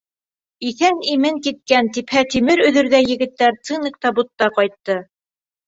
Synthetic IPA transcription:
iθænimɘŋkit̪̚kænt̪iphæt̪imɘɾɵ̆ðɵ̆ɾðæjɘ̆ɡɘ̆t̪ːæɾt̪sɨnikt̪ɑbut̪ːɑqɑjt̪ːɤ

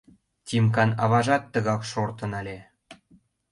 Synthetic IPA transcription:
tʲimkɑnɑβɑʒɑt̪ːɤ̆ɣɑkʃort̪ɤ̆nɑlʲe

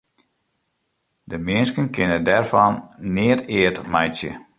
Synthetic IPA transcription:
dəmɪənskənkɪnədɛrfɔnːɪətɪətmɛjtsjə̰

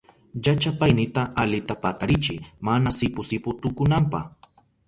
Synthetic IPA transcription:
ʎat͡ʃapajnɪt̪aʔalɪt̪apat̪aɾɪt͡ʃɪmanasɪpʊsɪpʊt̪ʊkʊnampa̰h

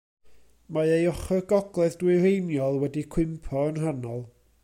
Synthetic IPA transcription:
maejɔχɔɡɔɡlˠɛðdwɨrejnjɔlˠwɛdikʰw̥ɪmpʰɔənɦanɔlˠ

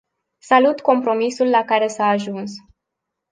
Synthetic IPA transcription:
salut̪ko̞mpɾo̞misulːakaɾe̞saːʒuns

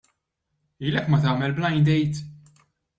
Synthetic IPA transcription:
iːlɛkːmɐt̪ɐːmɛlblɐjnd̪ɛjt̪

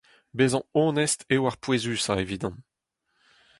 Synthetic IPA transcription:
bezɑ̃õːnɛst̪ewaʁpwezyːsaeviːd̪ɑ̃

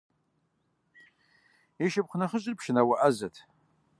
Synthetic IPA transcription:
iʃɪp̚χʷnaχəɕʼɪrpʰʂɪnawaʔazatʰ

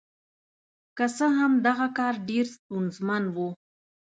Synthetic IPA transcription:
kasəɦamd̪aɣakɑɾɖeɾst̪ʊnzmanwu

